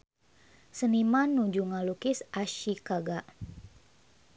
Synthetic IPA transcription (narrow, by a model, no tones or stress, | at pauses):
sənimanːud͡ʒuŋalukɪsaʃikaɡa